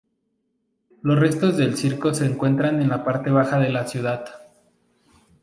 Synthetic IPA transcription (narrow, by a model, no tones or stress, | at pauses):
lo̞sre̞st̪o̞zðe̞lsiɾko̞se̞ːŋkwe̞nt̪ɾane̞nlapaɾt̪e̞β̞axaðe̞lasjuð̞að